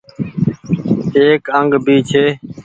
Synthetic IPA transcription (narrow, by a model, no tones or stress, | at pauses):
eːkəŋɡbʱiːt͡ʃʰeː